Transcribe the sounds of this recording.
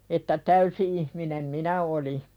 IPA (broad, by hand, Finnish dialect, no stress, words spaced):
etːæ tæysi ihminem minæ oli